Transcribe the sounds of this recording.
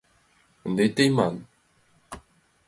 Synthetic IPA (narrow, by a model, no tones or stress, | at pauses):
nd̪et̪ejman